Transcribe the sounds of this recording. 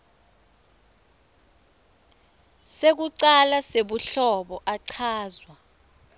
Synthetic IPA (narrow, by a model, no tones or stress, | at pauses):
sek̬uǀalaseɓuɬɔɓɔʔaǀʰaːzwa